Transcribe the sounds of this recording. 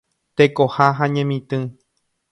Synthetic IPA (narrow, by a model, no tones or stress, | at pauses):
t̪ekohaɦaɲẽmĩt̪ɨ̃